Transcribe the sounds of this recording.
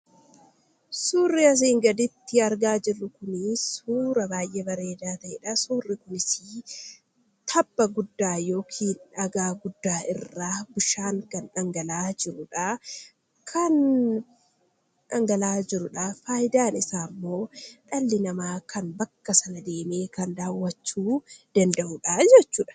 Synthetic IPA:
suːrːɪɐs̬iːŋɡɐd̪ɪt̪ːɪɐɾɡaːd͡ʒɪrːʊkʊnɪsuːɾɐbaːjʔɛbɐɾe̞ːd̪aːt̪ɐʔɛᶑɐsuːrːɪkʊnɪsɪ | t̪ʰɐbːɐɡʊd̪ːaːjo̞ːkʰiːnɐɡaːɡʊd̪ːaːɪrːaːbʊʃaːŋkɐnᶑɐŋɡɐlaːd͡ʒɪɾʊᶑa | kʰɐn | ʔɐŋɡɐlaːd͡ʒɪɾʊᶑafaːjɪd̪aːnɪsaːmːo̞ːᶑɐlːɪnɐmaːkɐnbɐkːɐsɐnɐd̪e̞ːmeːkɐnd̪aːwːɐt͡ʃːuːd̪̥ɐnd̪ɐʔuᶑaːd͡ʒɛt͡ʃːuːᶑɐ̥

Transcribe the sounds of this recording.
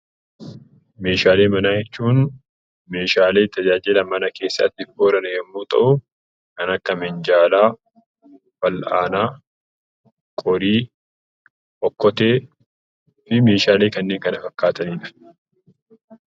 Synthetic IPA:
me̞ːʃaːleːmɐnaːjɛt͡ʃːuːn | me̞ːʃaːle̞ːt̪ʰɐd͡ʒaːd͡ʒɪlɐmɐnɐke̞ːsːɐ̰t̪ːɪfoːɾɐnɐjɛmːoːt̪ʼɐ̰ʔʊ | kɐnɐkːɐmɪnd͡ʒaːlaː | fɐla̰ːnaː | kʼɔɾiː | ʔɔkːɔt̪eː | fɪme̞ːʃaːle̞ːkɐnːe̞ːŋkɐnɐfɐkːaːt̪ɐniːᶑɐ̥

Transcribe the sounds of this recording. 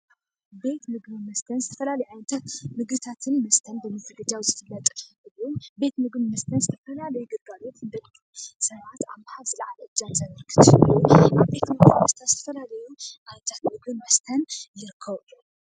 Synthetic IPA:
be̞t̪mɨɡβɨmɐst̪ʰɐnzɨt̪ʰɐfɐlalɐjuʕajnt̪ʰat̪mɨɡɨt̪ʰat̪ʰɨnmɐst̪ʰɐnbɨmɨt̪ʰɐɡɐd͡ʒawzɨfɨlːɐt̪ʼɐɨɨlube̞t̪mɨɡbɨmɐst̪ʰɐnzɨt̪ʰɐfɐlalɐjuɡɨɡalo̞t̪ɨnd̪ɐlt̪ʰʼːusɐβat̪a̰βmahaβzɨlaʕalɐʔɨd͡ʒanzanɨɾkʰɨ̥t̪ʰɨuʔaβbe̞t̪ʰmɨɡimɐst̪ʰat̪z̥ɨt̪ʰɐ̥fɐlalɐjuʔajnt̪ʰat̪mɨɡbɨmɐst̪ʰɐnjɪɾɨkʰːɐβɨju

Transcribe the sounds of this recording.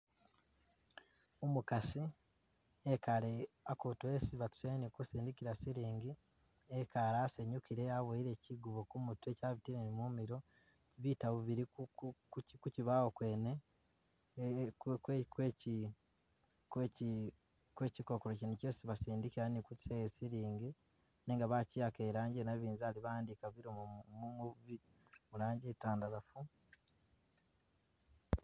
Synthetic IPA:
umukasi | ekale | akotuesiβatu̥senikusiːndikiɾasiɾiːŋɡi | ekaɾaːseɲukiɾe̞aβoiɾe̞ciɡuβokumutue̞caβitiɾenimumiɾo̞ | iβitaβuβiɾiku | kuciβawokwe̞ːne | kkwekweci | kweci | kweːciko̞koɾocinicesiβasiːndikiɾanikuci̥sejesiɾiːŋɡe | neːŋɡaβacijakeɾaːɲɟenaβiːnzaliβaːndikaβiɾomomuŋoβuβi | muɾaːɲɟitaːndaɾafu

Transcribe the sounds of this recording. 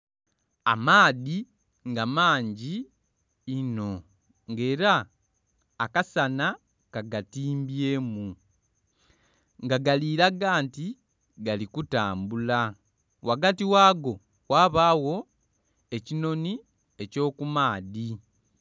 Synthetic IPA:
a̰maːði | ŋɡamaːɲɟiː | no̞ | ŋɡe̞ːɾaː | kasana | kaɡatiːmbieːmu | ŋɡaɡaliːɾaɡaːnti | ɡalikuta̰ːmbula | wʔaɡatiwaːɡo̞ | waːβaːwo̞ | e̞cino̞ni | e̞co̞ːkumaːði

